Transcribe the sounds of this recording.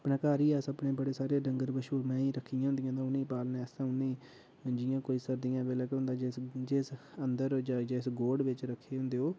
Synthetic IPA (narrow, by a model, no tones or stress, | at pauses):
əpɳãːkaːɾiːɛːsəpɳeːbəɽeːsaːɾeːɖəŋɡəɾbəʃuːɾmɛ̃ːiːɾəkʰːijãɦʊ̃nd̪ɪijãːd̪ãːʊnĩːpaːlnẽːst̪ãːʊnĩː | d͡ʒɪjãːkoːiːsəɾd̪ɪjãːbeːləkɦʊ̃ːnd̪aːd͡ʒd͡ʒesənd̪əɾd͡ʒaːd͡ʒaɪsɡoːɖʋɪt͡ʃɾəkʰːeːɦʊ̃nd̪eːɦoː